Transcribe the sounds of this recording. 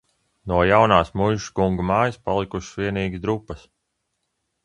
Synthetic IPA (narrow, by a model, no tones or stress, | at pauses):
nuɔjawnaːsmujʒkuŋɡumaːjispalˠikuʃsʋiɛniːɡ̪d̪ɾupːɐs